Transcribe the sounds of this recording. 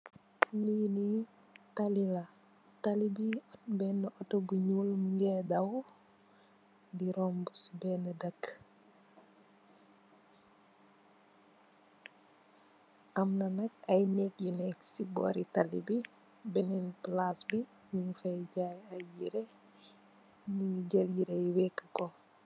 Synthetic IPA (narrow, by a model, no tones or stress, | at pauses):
nini | talila | talibiɔtbɛnːəʔɔtɔɡuɲulmiŋɡɛdɐw | diɾɔmbusbɛnədɐk | ʔɐmnɐnɐk̚ɐjnɛk̚junɛksibɔ̰ːɾitalḭbi | bɛnɛnplasbi | miŋfɐjɟajɐjiɾe | niiɟɐljiɾejwɛkːəkɔ